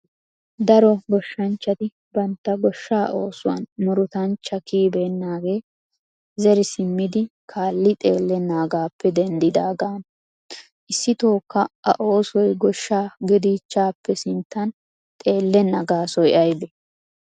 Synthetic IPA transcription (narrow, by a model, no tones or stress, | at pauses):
d̪ɐɾɔɡɔʃːɐnt͡ʃːɐt̪ɪ | bɐnt̪ːɐɡɔʃːaːʔo̞ːsʊwɐ̰nmɔɾʊt̪ɐnt͡ʃːɐkiːbeːnːaːɡe̞ː | zɛɾɪsɪmːɪd̪ɪkʰaːlːɪt̪ʼe̞ːlːɛnːaːɡaːpːɛd̪ɛnd̪ɪd̪aːɡaːn | ʔɪsːɪt̪oːkːɐʔɐ̰ʔo̞ːsɔjɡɔʃːaːɡɛd̪iːt͡ʃːaːpːɛsɪnt̪ːɐn | t̪ʼe̞ːlːɛnːɐɡaːsɔjɐjbɛ